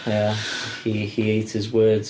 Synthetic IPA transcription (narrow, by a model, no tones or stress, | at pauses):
jæiieɪtsɪzwɜːdz̥